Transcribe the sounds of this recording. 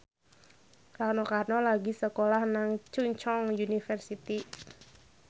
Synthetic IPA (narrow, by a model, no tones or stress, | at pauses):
karnɔkarnɔlaɡisəkolahnaŋt͡ʃuɲt͡ʃɔŋunifɛrsit̪i